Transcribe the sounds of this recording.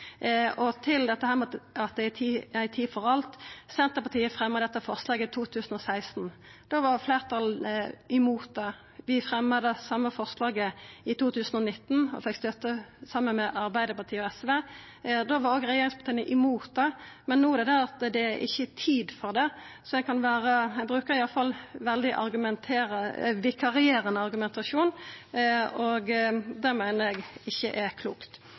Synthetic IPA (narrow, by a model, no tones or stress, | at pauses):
ɔt̪ʰɪld̪ɛt̪ːəhæːʁmɛɑt̪̚d̪ɛt̪ʰiːæɪt̪ʰiːfɔʁɑlt̪sɛnt̪əpɑt̪ʰiːəfʁɛmːɑd̪ɛt̪ːəfɔʁslɑːɡət̪ʰuːt̪ʰʉːsən̩ɔsæɪst̪n̩ | d̪̥oːʋɑʁfleːʁt̪ʰɑlɪmuːt̪ɑ | ʋɪfɾɛmːɑd̪əsɑmːəfɔʁslɑːɡəɪt̪ʰuːt̪ʰʉːsən̩ɔnɪt̪ːn̩ɔ̰fɛkːst̪œt̪ːəsɑmːənmɛʔɑʁbæɪd̪əpɑʁt̪ʰiːəɔɛsʋeː | d̪oʋɑɾoːɡʁɛjeːɾɪŋspʰɑt̪ʰɑːnəʔɪmuːt̪̚d̪ɛmɛnːuːd̪ɛd̪æɾɑt̪d̪ɛæɾʔɪ̰çːət̪ʰiːd̪fɔʁd̪ɛ | sɔɛɡkɑnʋæːʁəɛbɾʉːkəɾɪjɑlfɑlːʋɛld̪ɪʔɑ̰ɾɡʉmɛnt̪ʰeːʁʋɪkʰɑʁɪeːɾənəɑɾɡʉmɛnt̪ɑʃuːn | ɔɡd̪æʁmæɪnəɾɛɡɪçːəʔækʰluːkt̪